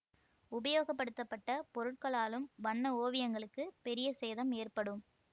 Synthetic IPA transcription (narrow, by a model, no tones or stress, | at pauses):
ʊbɐjoːɣɐp̬ːɐɽɯt̪ːɐpːɐʈːɐpɔɾɯʈ̚kɐɭaːlɯmʋɐɳːɐoːʋɪjɐŋɡɐɭɯkːɯpɛɾɪjɐsɛːðɐmeːrpɐɽɯm